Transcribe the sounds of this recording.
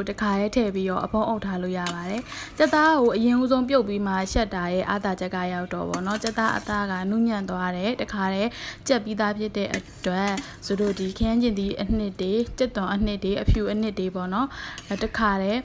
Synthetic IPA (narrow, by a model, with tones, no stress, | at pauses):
təkʰa˨ɾɛ˦tʰɛ˦˨pi˦ɾɔ̰˦˨ʔəpʰõ˦ʊ̃ʔo˦ʊtʰːa˦lo̰˦˨ja̰˦˨βa˨ɾɛ˨t͡ɕɛ˦t̪ːa˦ɡo˨ʔəjɪ̃˨ʔu˦zõ˦ʊ̃mp̬jo˦ʊpːi˦m̥a˦˨ʃɛ˦tːa˨jɛ̰˦˨ʔa̰˦˨t̪a˨d͡ʑɛ˦kːa˦˨ja˦ʊtːɔ̰˨pɔ̰˦˨nɔ˦t͡ɕɛ˦t̪ːa˦ʔə̰˦t̪a˦ɡa̰˦˨nu˦˨mã˦˨nt̪wa˦ɾɛ˨təkʰa˨ɾɛ˦t͡ɕɛ˦ʔpːi˦d̪a˦pʰjɪ˦tːɛ̰˦˨ʔətwɛ˦ | so˨ɾo˦˨di˨kʰə˦jã˦ɲd͡ʑɪ̃˨nd̪i˨ʔən̥ɪ˦tːe˨t͡ɕɛ˦t̪ːʊ̃˨ʔən̥ɪ˦tːe˨ʔəpʰju˨ʔən̥ɪ˦tːe˨pɔ˦˨nɔ˦˨təkʰa˨ɾɛ˦